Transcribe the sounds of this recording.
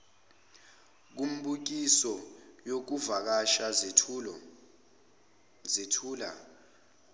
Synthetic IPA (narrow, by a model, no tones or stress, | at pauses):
k̬um̩ɓuk̬isɔjok̬uvak̬aʃa | zitʰuːla̰